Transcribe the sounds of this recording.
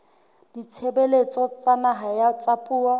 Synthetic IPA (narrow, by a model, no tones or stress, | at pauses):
d̥it͡ʃʰebelet͡sʼɔt͡sʼanaɦajat͡sʼapʼuːa